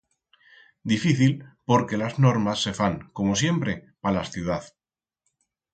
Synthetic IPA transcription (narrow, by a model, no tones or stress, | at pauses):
d̪ifiθilpo̞ɾke̞lazno̞ɾmasːe̞faŋko̞mo̞s̬je̞mpɾe̞palasθjuð̞aθ